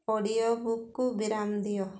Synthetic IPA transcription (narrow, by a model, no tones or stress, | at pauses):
ɔɽijɔbukːubiɾamd̪ijɔ